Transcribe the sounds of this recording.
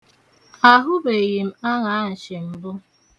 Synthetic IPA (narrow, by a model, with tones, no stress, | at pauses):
a˦ɦʊ˦be˨ɣi˨m̩˦a˦ŋa˨a˦n̩˨t͡ʃɪ˨m̩˦bʊ˦